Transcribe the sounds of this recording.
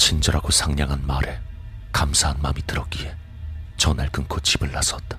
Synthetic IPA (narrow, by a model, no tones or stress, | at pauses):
t͡ɕʰind͡ʑʌɾaɡosʰaŋɲaŋɦanmaɾe̞ | kamsʰaɦanmamitɯɾʌk͈ie̞ | t͡ɕʌnaɭkɯŋkʰot͡ɕibɯɭːasʌt̚t͈ḁ